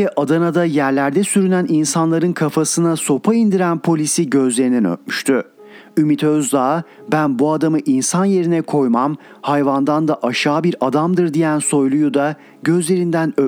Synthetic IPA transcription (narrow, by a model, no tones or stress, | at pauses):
ɛʔad̪anad̪ajæɾlʲæɾd̪ɛsyɾynæninsanlˠaɾɯnkʰafasɯnaso̞pʰaind̪iɾænpʰo̞lʲisiɟø̞zlʲeɾinɛnø̰t̪̚myʃt̪ʰy | ymit̪ʰøzd̪aː | bænbuad̪amɯʔinsanje̞ɾinɛkʰo̞jmam | hajvand̪and̪aʔaʃaːbiɾad̪amd̪ɯɾd̪ijænso̞jlˠujud̪a | ɟø̞zlʲe̞ɾind̪ænø